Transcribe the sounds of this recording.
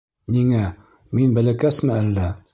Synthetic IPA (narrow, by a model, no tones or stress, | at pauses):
niŋæ | minbælækæsmɘælːæ